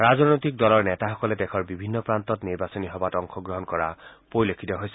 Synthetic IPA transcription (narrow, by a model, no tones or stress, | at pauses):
ɹazɔnojtik̚dɔlɔɹnɛtaxɔkɔlɛdɛkʰɔɹbibʱinːɔpɹantɔtniɹbasɔniɦɔbatɔŋxʰɔɡɹɔɦɔnkɔɹa̰poɹilokʰːitɔɦojsɛ